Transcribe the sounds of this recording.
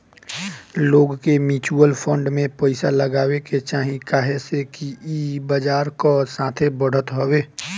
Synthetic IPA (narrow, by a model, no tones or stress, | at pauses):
loːɡkemiːt͡ʃuəlpʰə̃ɳɖmẽpəɪsaləɡaːweket͡ʃaːɦĩkaːɦesekiibəd͡ʒaːɾkosãːt̪ʰebəɽ̤ət̪ɦoweː